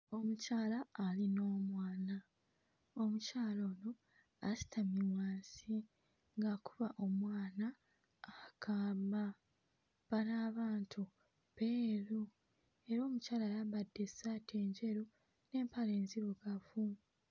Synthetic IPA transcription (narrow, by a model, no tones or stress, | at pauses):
o̞mucaːlaːlino̞ːmwaːna | omucaːlo̞ːno̞ | asi̥tʰamiwaːnsi | ŋɡakuβaʔo̞mwaːnaː | kʰaːmba | βanaːβaːntʰu | peːɾu | e̞ɾo̞ːmucaːlaːjaβadːesatʰe̞ːɲɟe̞ɾu | ne̞ːmpale̞ːnziβoɡafu